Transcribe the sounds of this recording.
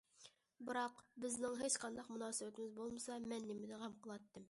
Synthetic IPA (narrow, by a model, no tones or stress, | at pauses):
bɨɾɑqbɪznɪŋɦet͡ʃqʰɑnd̪ɑqmunɑːsɨbt̪ɪmɪzbolˠməsɑmɛnːɪmɪd̪ɛʁæmqʰəlˠɑt̪ːɨm